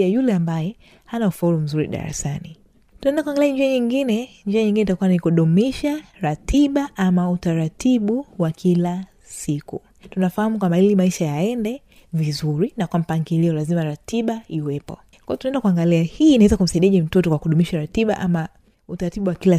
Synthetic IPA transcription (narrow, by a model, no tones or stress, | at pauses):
ajulɛambajɛ | hanaufauɾum̩zuɾḭɗa̰ɾa̰sani | tunaɛndakuaŋɡaliaɲd͡ʒiaɲiŋɡinɛɲd͡ʒiaɲĩŋɡinɛitakuwanikuɗumiʃaɾatiɓaʔamautaɾatiɓuwakʰila | sikṵ | tunafahamukwambahilimaiʃajaɛndɛ | vizuɾinakwam̩paŋɡiliɔlazimaɾatiɓaiwɛpɔ̰ | kwajɔtunaɛndakuaŋɡaliahiːnaɛzakum̩saiɗiaʄɛm̩tɔtɔkwakuɗumiʃaɾatiɓa̰ʔama | utaɾatiɓuwakila